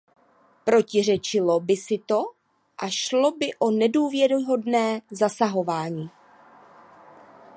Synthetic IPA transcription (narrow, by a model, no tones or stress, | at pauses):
pɾo̞cɪr̝ɛt͡ʃɪlo̞bɪsɪt̪o̞ | ʔaʃlo̞bɪʔo̞nɛduːvjɛɾɪɦo̞dnɛːzasaɦo̞vaːɲiː